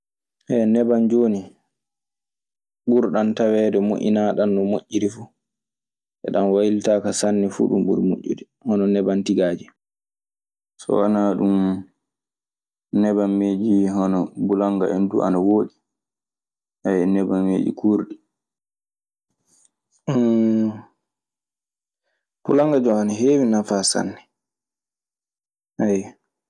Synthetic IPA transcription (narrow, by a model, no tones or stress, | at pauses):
hɛnɛband͡ʒoːni | ɓuɾɗantawɛdɛmo̰ʔḭnaɗanːɔmoʔːiɾifu | ʔɛ̰ɗanwajiltaːkasanːɛfṵːɗumɓṵɾmo̰ʔːḭɾi | hɔnɔnɛbantiɡaːd͡ʒi | sɔ̰wanaɗum | nɛbanːed͡ʒihɔnɔbulaŋɡa̰ɛnduʔa̰nawoːɗi | hajɛnɛbanːḛːd͡ʒḭkʰuɾɗi | pulaŋɡad͡ʒɔanaɦeːwinafasa̰nːɛ | ʔaj